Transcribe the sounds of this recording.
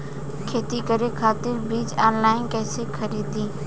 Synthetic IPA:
kʰeːt̪ikɐɾekʰaːt̪ɪɾbiːd͡ʒaːnlaːɪnkɛːsekʰɐɾiːd̪iː

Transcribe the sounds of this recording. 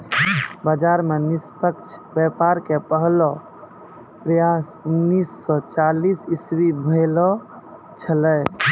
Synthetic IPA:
bəd͡ʒaɾmenispəkt͡ʃʰbɛpaɾkepəɦlɔ | pɾəjasunːisːɔt͡ʃalisiswibʱelɔ | t͡ʃʰəlɛj

